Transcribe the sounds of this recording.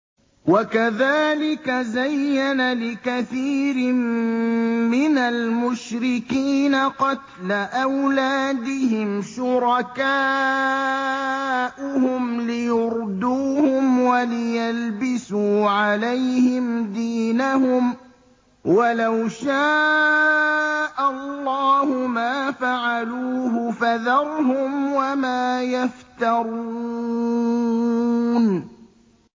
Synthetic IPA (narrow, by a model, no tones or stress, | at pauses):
wakaðaːlɪkazajːanalɪkaθiːɾɪmː | ɪnalmʊʃɾɪkiːnaqɑt̪laʔawlaːd̪ɪɦɪmʃʊɾˤɑkaː | ʔʊhʊmlɪjʊɾd̪uːhʊmwalɪjalbɪsuːʕalajhɪmd̪iːnahʊm | walawʃaː | ʔalːɑːhʊmaːfaʕaluːɦʊfaðɑɾˤhʊmwamaːjaft̪ɑɾˤu | n